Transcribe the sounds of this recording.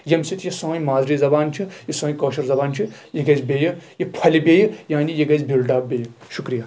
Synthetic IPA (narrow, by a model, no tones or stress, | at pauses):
jɐmsit̪ʰjisõːjmaːzɾiːzɐbaːnt͡ʃʰijisõːjkoːʃɐɾzɐbaːnt͡ʃʰijiɡɐzbʲejɨjipʰɐlʲibʲeːjjaːnijiɡɐzbilɖaːbbeːjʃukɾija